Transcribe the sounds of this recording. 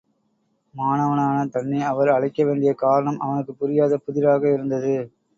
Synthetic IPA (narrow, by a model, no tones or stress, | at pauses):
maːnɐʋɐnaːnɐt̪ɐɳːiɐʋɐɾɐɭɐɪkːɐʋeːɳɖɪjɐkaːɾɐɳɐmʔɐ̰ʋɐnɯkːɯpʊɾɪjaːðɐpʊðɪɾaːɣɐɪɾɯnd̪ɐðɯ